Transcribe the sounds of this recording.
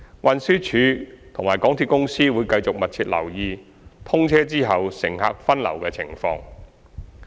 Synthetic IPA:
wɐ˨nsyː˥t͡ʃʰyː˨˧t̪ʰʊ˨˩ŋmaː˨˩jkɔː˨˥ŋt̪ʰi˧t̚kʊ˥ŋsiː˥wuː˨˧jkɐ˧jt͡sʊ˨k̚mɐ˨t̚t͡sʰiː˧t̚lɐ̰˨˩wjiː˨˧ | t̪ʰʊ˥ŋt͡sʰɛː˥t͡siː˥ɦɐ˨wsɪ̰˨˩ŋɦa̰ː˧k̚fɐ˥nlɐ̰˨˩wkɛː˧t͡sʰɪ̰˨˩ŋfɔ̰ː˧ŋ

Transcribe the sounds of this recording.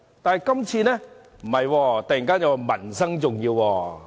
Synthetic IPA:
t̪aː˨n˨jkɐ˥mt͡sʰiː˧nɛː˥ | m̩˨˩hɐ˨jwɔː˧t̪ɐ˨k̚ji˨˩ŋkaː˥nja˨˧wa˨˩mɐ˨˩nsɐ˥ŋt͡sʊ˨ŋjiː˧wwɔː˧

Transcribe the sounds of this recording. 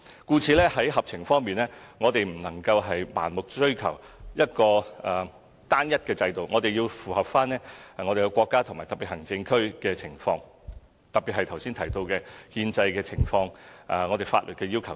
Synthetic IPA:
kuː˧t͡sʰiː˨˧lɛː˥ɦɐ˨˥jɦɐ˨p̚t͡sʰɪ˨˩ŋfɔː˥ŋmiː˨nlɛː˥ŋɔː˨˧t̪e˨jm̩˨˩nɐ˨˩ŋkɐ˧wɦɐ˨jma̰ː˨˩nmʊ˨k̚t͡ʃɵ˥ɥkʰɐ˨˩wjɐ˥t̚kɔː˧ɛ˨˩ | t̪aː˥njɐ˥t̚kɛː˧t͡sɐ˧jt̪o˨wŋɔː˨˧t̪e˨jiː˧wfuː˨˩hɐ˨p̚faː˥nɛː˥˨ŋɔː˨˧ɾe˨jkɛ˧kʷɔː˧kːaː˥t̪ʰʊ˨˩ŋmaː˨˩jt̪ɐ˨pi˨t̚hɐ˨˩ŋt͡sɪ˧ŋkʰɵ˥ɥkɛː˧t͡sʰɪ˨˩ŋfɔ̰ː˧ŋ | t̪ɐ˨piː˨t̚hɐ˨jt̪ʰɐ˨˩wsi˥nt̪ʰɐ˨˩jt̪o˧wkɛː˧hiː˧nt͡sɐ˧jkɛː˧t͡sʰɪ˨˩ŋfɔː˧ŋʔɛ˧ŋɔ˨˧e˨˩fa̰ː˧tlɵ˨t̚kɛː˧jiː˥wkʰɐ˨˩

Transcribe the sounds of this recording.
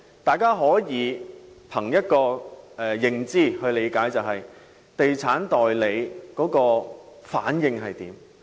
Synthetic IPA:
t̪aː˨jkaː˥ɦɔː˨˥jiː˨˧pʰɐ˨˩ŋjɐ˥t̚kɔː˧ɛ˨jɪ˨ŋt͡siː˥hɵ˧ɥle˨˧jkaː˨˥jt͡sɐ˨wɦɐ˨j | t̪e˨jt͡sʰaː˨˥nt̪ɔː˨jle˨˧jkɔː˨˥kɔː˧faː˨˥njɪ˨˧ŋɦɐ˨jt̪iː˨˥m

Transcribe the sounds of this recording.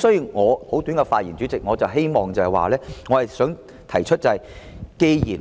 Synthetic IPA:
sɔː˨˥jiː˨˧wŋɔː˨˧ho˨˥wt̪yː˨˥nŋkɛ˧faː˧t̚jiː˨˩nt͡ʃyː˨˥t͡sɪ˨k̚ŋɔː˨˧t͡sɐ˨wɦe˥jmɔː˨ŋt͡sɐ˨˧hɛ˨jwa̰ː˨lɛː˥ŋɔː˨˧hɐ˨jsœː˨˥ŋ | t̪ʰɐ˨˩jt͡ʃʰɵ˥t̚t͡sɐ˨hɐ˨˩j | ke˧jjiː˨˩n

